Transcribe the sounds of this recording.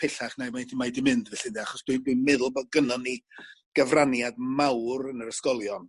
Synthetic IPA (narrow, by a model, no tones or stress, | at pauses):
pʰɛɬaχnajmajdimajdimɪndvɛɬɨdiaχɔsd̥widwimɛðʊlˠbɔðɡənɔniɡ̥əvranjadmawɾənəɾəskɔlˠjɔn